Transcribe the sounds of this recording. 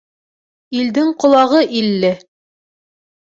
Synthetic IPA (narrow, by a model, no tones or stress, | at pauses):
ild̪ɘŋqŏlˠɑʁɤʔilːɘ